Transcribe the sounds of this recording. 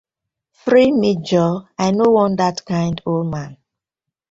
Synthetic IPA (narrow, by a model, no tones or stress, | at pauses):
fɹimid͡ʒɔajnowɔ̃ndatkãɪ̃ndolmãn